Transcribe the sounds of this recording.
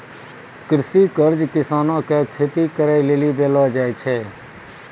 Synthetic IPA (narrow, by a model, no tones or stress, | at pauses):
kɾɪsiːkəɾd͡ʒkɪsaːnãːkeːkʰeːt̪iːkəɾaːileːliːbeːlʋaːd͡ʒaːet͡ʃʰeː